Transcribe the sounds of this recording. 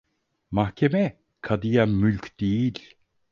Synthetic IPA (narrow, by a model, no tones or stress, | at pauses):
mahkɛmɛ | kʰad̪ijamʉlkt̪iːl